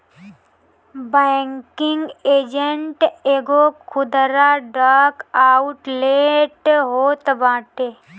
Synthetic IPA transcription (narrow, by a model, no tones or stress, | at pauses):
bɛŋkɪŋɡeːd͡ʒəɳʈeːɡokʰʊd̪ɾaɖaːkaːʊʈleːʈɦoːt̪baːʈe